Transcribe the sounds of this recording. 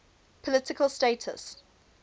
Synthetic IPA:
pʰəlɪtɪkʰəlˠsteɪtʰə̰s

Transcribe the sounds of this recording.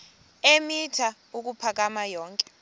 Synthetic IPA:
emitʰa | uk̬upʰak̬amajɔːŋkʼɛ̥

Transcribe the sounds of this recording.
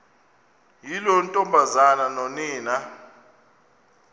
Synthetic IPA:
jilɔntʼɔmbʱazananɔniːna

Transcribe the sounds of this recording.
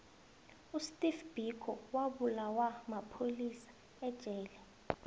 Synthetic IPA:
ustʼifb̥ʱikʰɔwaɓulawamapʰolisḁ | ɛd̥ʒ̥ʱɛːlɛ

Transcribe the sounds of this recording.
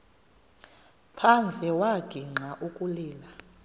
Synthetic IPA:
pʰand͡ɮʱɛwaɡ̥ʱiŋ͡ǃaʔukʼuliːla

